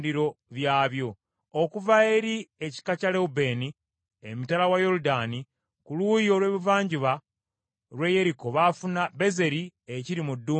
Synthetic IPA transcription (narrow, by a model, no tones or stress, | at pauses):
diɾo̞βjaːβjo̞ | okuvaeɾieci̥kacale̞ube̞ni | emitalawajo̞ludaːni | kulujo̞lwe̞ːβivaːɲɟiβa | ɾwe̞je̞ɾiko̞βafunabe̞ze̞ɾieciɾimudːuː